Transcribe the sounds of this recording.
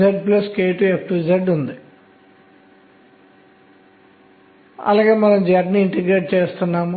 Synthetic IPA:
eɖplɐskeːʈuekʈud͡ʒɐɖund̪i | ɐ̰laːɡe̞ːmɐnɐmd͡ʒaːɖniːɳʈiɡɾeːʈ̚t͡ʃeːst̪unːaːmu

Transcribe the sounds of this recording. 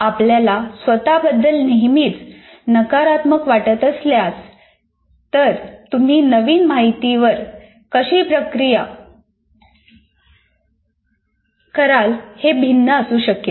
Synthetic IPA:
apljalasʋət̪abəd̪ːəlneɦmiːt͡s | nəkaɾat̪məkʋaʈət̪əsljas | t̪əɾt̪um̤iːnəʋiːnmaɦit̪iʋəɾ | kəɕiːpɾəkɾija | kəɾalhebʱinːəəsuːɕəkje

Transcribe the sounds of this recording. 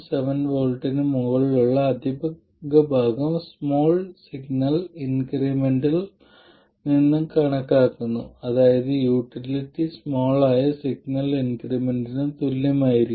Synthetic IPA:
sɐʋɐnʋoːlʈɐnɨmuɣɐɭiluɭːɐːd̪ʱibɐ | ɡɐbʱaːɡɐmsmoːɭsiɡnɐlinkrimeɳɖil | ninːɨkɐɳɐkːaːkːunːṵɐðaːjɐðɨjuːʈillitːismo̞ːɭaːjɐsiɡ̚nɐlinkrimeɳɖinɨt̪ulːɐmaːjiɾikː

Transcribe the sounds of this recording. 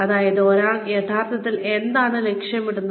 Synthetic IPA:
ɐðaːjɐðo̞ːɾaːɳjet̪ʰaːrt̪ːɐt̪ːile̞nd̪aːɳɨlekʂjɐmiɽunːɐ

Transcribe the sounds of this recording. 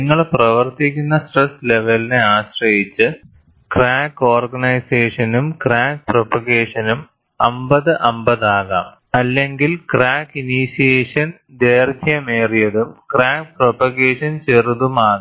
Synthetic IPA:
niŋːɐɭprɐʋɐrt̪ikʲːunːɐsʈresle̞ʋɐlineaːɕrɐjit͡ɕːɨ | kraːko̞ːrɡɐnɐjseːʂɐnumkraːk̚propɐɣeːʂɐnum | ɐmbɐðɨʔɐmbɐðaːɣɐ̰m | ɐlːe̞ŋɡilkraːkiniɕijeːʂɐn | d̪eːrd̪ʱjɐmeːrijɐðumkraːk̚propɐɣeːʂɐnt͡ɕeruðumaːɣɐ

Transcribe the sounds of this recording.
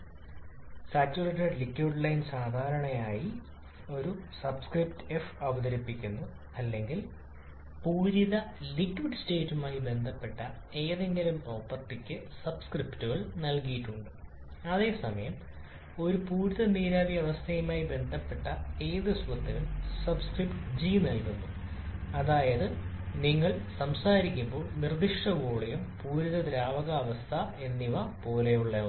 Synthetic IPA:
saːt͡ɕːurɐʈːɐrlikːiɖlɐjnsaːd̪ʱaːɾɐɳɐjaːji | o̞ɾusɐbskriptɨefɐʋɐðɐɾipːikʲːunːu | ɐlːe̞ŋɡil | puːɾiðɐlikːʋiɖɨste̞ːtːumaːjibe̞nd̪ʱɐpːe̞ʈːɐ | e̞ːðeŋɡɐlumpro̞ːpːɐrt̪ːikʲːɨsɐbskriptuɣɐɭnɐlkijiʈːuɳɖɨ | ɐðe̞ːsɐmɐjɐm | o̞ɾupuːɾuðɐniːɾaːbijɐʋɐst̪ʰɐjumaːjibe̞nd̪ʱɐpːe̞ʈːɐe̞ːðɨsʋɐt̪ːilumsɐbskripʈd͡ʑinɐlkunːu | ɐðaːjɐðɨniŋːɐɭsɐmsaːɾikʲːumbo̞ːɭnird̪iʂʈɐɡoːɭejumpuːɾuðɐd̪ɾaːʋɐɣɐːʋɐst̪ʰɐe̞nːiʋɐpo̞ːle̞juɭːɐ

